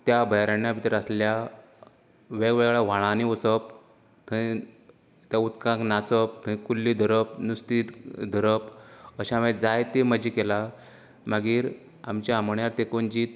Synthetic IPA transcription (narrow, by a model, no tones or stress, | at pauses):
t̪jabʱəjɾaɳjapit̪ɾaslja | ʋeɡʋeɡɭaʋ̤aɭãniosəp̚ | t̪ʰəĩ | t̪jaut̪kãknat͡səp̚t̪ʰə̃ĩkulːid̪ʱəɾəp̚nust̪it̪d̪ʱəɾəpəɕaʋed͡zajt̪eməd͡ʑiːkela | maɡiːɾ | a̰mt͡ɕaaməɳjaɾt̪ekond͡ʑiːt̪